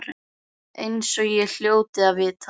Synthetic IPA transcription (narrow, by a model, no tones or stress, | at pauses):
ɾ | ejnsɔɣjɛl̥joːwt̪ɪaðvɪðt̪ʰ